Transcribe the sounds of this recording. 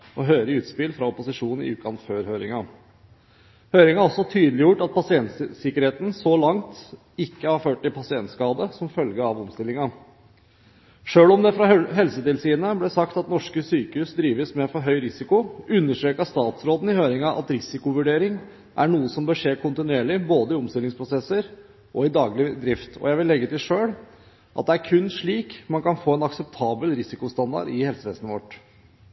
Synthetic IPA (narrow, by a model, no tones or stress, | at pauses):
ɔɦœːɾəʉːt̪spɪlfɾɑɔpʊsɪʂuːnn̩ɪ̰ʉːt̪kʰɑnføːɾɦøːɾɪ̰ŋɑ | høːɾɪŋɑæɔsɔt̪ʰyːd̪lɪjʊʈːɑt̪̚pʰɑsɪɛnt̪sɪkəɾheːt̪n̩sɔlɑŋt̪ | ɪkːəhɑɾføːʈ̚ʈɪlpʰɑsɪɛnt̪skɑːd̪əsɔmfœlɡəɑʋɔmst̪ɪlːɪŋɑ | ʂøːlɔmd̪ɛfɾɑɦɛlsət̪ɪlsiːnəblɛsɑkt̪ɑt̪nɔʂkəsyːkəhʉːsd̪ɾiːʋəsmɛɛnfɔɾɦœʏɾɪsɪkʊʉnːəʂʈ̪ɾeːkɑst̪ɑːt̪sɾoːd̪n̩ɪhøːɾɪŋɑʔɑ̰t̪ɾɪsɪkʊʋʉɖeːɾɪŋ | ʔæ̰ɳuːəsɔmbəːʂeːkʰʊnt̪ɪnʉeːɭɪboːd̪əɪʊmst̪ɪlɪŋspʰɾʊsɛsːəɾ | ʔɔɪd̪ɑːɡlɪd̪ɾɪft̪ʰɔ̰jæɪʋɪlːɛɡːət̪ɪlʂøːɽ | ʔɑt̪̚d̪ɛæɾkʰʉnːʂɭiːkmɑnkɑnfoːɛnɑksɛp̚t̪ʰɑːbəlɾɪsɪkʊst̪ɑnd̪ɑ̰ɖɪhɛlsəʋeːst̪nəʋɔʈ